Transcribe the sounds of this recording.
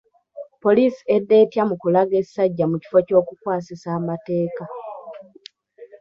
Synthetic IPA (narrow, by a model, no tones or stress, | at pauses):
po̞liːsi̥e̞dːe̞ːtjamukulaɡesaɟːamuci̥fo̞co̞ːkukwaːsisaːmate̞ːka